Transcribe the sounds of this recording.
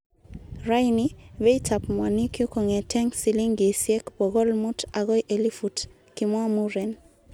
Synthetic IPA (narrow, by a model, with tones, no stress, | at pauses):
ɾa˦jni˦βe˦i˦ta˨pmwa˨ni˦kjʊ˦kɔ˨ŋɛ˨tɛ˦ŋsi˨li˦ŋɡe˨sjɛ˦kbɔ˨ɣɔ˦lmʊ˦ta˨ɣɔ˦jʔe˨li˦fu˨t | kɪmwa˦mu˦ɾɛ˨n